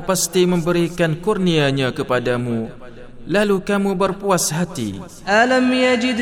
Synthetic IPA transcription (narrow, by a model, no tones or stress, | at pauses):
past̪imə̃mbəɾikankurniaɲãkəpadamũ | lalukamubərpuasɦat̪ḭ | ʔalamjad͡ʒɪd̪